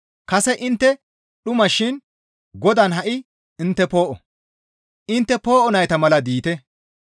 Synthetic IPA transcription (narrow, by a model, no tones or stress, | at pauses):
kɐsɛʔɪnt̪ːɛ | ɗʊmɐʃɪn | ɡɔd̪ɐnɦɐʔɪ | ɪnt̪ːɛpo̞ːʔɔ | ʔɪnt̪ːɛpo̞ːʔɔnɐjt̪ɐmɐlɐd̪iːt̪ɛ